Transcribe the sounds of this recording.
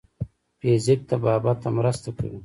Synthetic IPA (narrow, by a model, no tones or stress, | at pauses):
peːzik̚t̪abaːbat̪amɾast̪aka̰wi